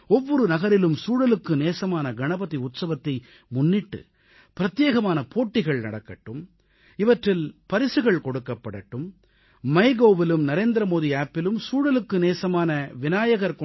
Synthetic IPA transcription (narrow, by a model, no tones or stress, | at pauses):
ɔʋːɔɾɯnɐɣɐɾɪlɯmsuːɽɐlɯkːɯneːsɐmaːnɐɡɐnɐbɐðiʊt̪sɐʋɐt̪ːɐɪ | mʊnːɪʈːɯ̰ | pɪɾɐt̪jeːɣɐmaːnɐpʰoːʈːɪɣɐɭnɐ̰ɽɐkːɐʈːɯm | ɪʋɐʈrɪlpɐɾɪsɯɣɐɭkɔɽɯkːɐpːɐɽɐʈːɯm | mɐɪɡoːʋɪlɯmnɐɾeːnd̪ɾɐmoːðiaːpːɪlɯmsuːɽɐlɯkːɯneːsɐmaːnɐʋɪnaːjɐɣɐɾkɔ